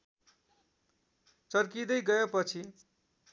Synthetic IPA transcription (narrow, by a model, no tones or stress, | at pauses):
t͡sʌrkid̪ʌjɡʌjepʌt͡sʰi